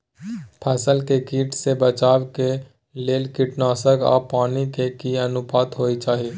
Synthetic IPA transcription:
pʰəsəlkekiːʈsebət͡ʃaːwke | leːlkɪʈnaːsəkɔ̰ːɾpaːnikekiənʊpaːt̪ɦoːit͡ʃaːɦi

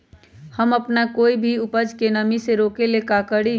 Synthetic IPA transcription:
həməpnakoːibʱiupəd͡ʒkenəmiseɾokelekakəɽi

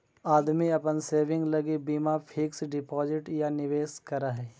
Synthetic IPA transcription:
aːd̪miɐpənseːʋɪ̃ŋɡlɐɡibiːmapʰɪksɖɪpɔːzɪʈjanɪʋeːskɐɾaɦɛː

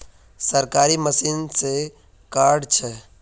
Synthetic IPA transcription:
səɾkaːɾiməsiːnse | kaːɾɖt͡ʃʰɛ

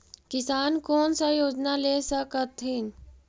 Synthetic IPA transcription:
kɪsaːnkoːnsajoːd͡ʒnaleːsəkət̪ɦin

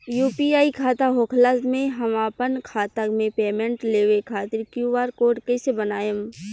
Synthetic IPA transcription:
juːpiaːikʰaːt̪aɦoːkʰlasmẽɦəmaːpənkʰaːt̪əkmẽpeːmẽɳʈleːʋekʰaːt̪ɪɾkjuʋaːɾkoːɾɖkɛːsebənaːjem

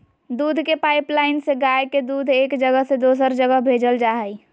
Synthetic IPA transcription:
d̪uːd̪ʱkepaɪplaɪnseɡajked̪uːd̪ʱeːkd͡ʒəɡəɦsed̪osəɾd͡ʒəɡəɦbʱed͡ʒəld͡ʒaɦəj

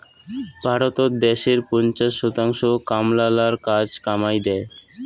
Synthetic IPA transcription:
bʱaɾot̪oɾd̪eʃeɾpɔnt͡ɕaʃːɔt̪aŋʃokamlalaɾkad͡ʑkamajd̪ɛe

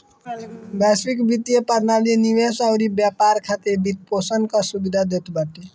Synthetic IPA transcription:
bɛspikbit̪ijepəɾnalijeniʋesaʊɾibjapaɾkʰat̪eɾbit̪̚posənkasubid̪ʱad̪et̪bəʈe

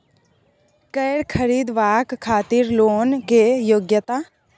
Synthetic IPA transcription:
kəjɽkʰəɾiːd̪ʋaːkkʰːaːt̪iːɾloːnkejoːɡjət̪aː

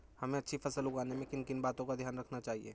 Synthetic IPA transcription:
hɐmẽɐtːʃʰifɐsəlʊɡaːnemẽkɪnkɪnbaːt̪õkad̪ʱjaːnɾɐkʰnat͡ʃaːɦiḛː

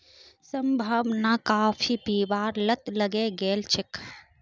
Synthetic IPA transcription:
səmbʱəbnakaːfʰipiːbaːɾlət̪ləɡeɡeːlt͡ʃʰɪk

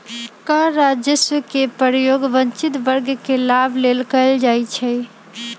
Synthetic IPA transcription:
kəɾad͡ʒjəsʋəkepəɾjoɡbə̃nt͡ʃit̪bəɾɡkelabʱlelkəɪld͡ʒajt͡ʃʰɛ

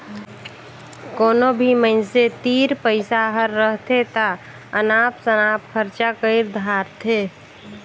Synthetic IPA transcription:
koːnobʱiməɪnset̪iːɾpəɪsaɦəɾːəɦt̪ʰet̪a | ənaːpsənaːpkʰəɾt͡ʃakəɪɾd̪ʱaːɾt̪ʰeː

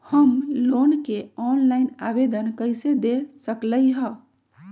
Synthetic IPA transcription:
həmloːnkeɔːnlaːɪnabed̪ənkəɪsed̪esəkləiɦə̃

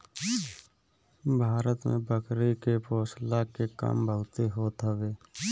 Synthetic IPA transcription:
bʱaːɾət̪mḛ̃bəkɾikepoːslakeka̰mbʱəɦʊt̪eɦoːt̪əʋeː

